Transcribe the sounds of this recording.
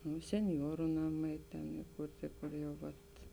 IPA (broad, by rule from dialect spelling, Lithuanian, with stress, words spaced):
nʊ sʲɛnʲˈjuɔrʊ ˈnɑːˌmɐɪ tʲɛn ɪˈkʊrʲtʲɪ kʊr jɛʊ ˈʋɐt